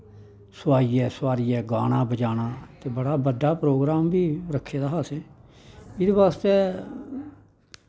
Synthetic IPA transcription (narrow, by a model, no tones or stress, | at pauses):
sʊaːijɛːsʊwaːɾiːɛːɡa̰ːɽ̃ãːbəd͡ʒaːɽ̃aːt̪eːbəɽaːbəɖaːpɾoːɡɾaːmbiːɾəkʰːeːd̪aːɦaːseː | ɪd̪eːbaːst̪eː